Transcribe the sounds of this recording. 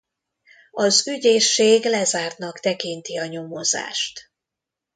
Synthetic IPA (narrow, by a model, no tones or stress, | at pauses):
ɒzyɟeːʃːeːɡlɛzaːrt̪nɒkt̪ɛkint̪iɒɲo̞moza̰ːʃt̪